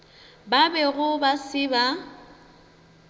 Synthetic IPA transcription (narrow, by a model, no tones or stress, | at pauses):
babɛɣʊbasɪba